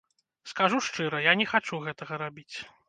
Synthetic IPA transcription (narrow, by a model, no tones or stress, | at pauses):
skaʐuʂt͡ʂɨɾɐjanʲɛxat͡ʂuɣɛt̪ɐɣɐɾabʲit͡sʲ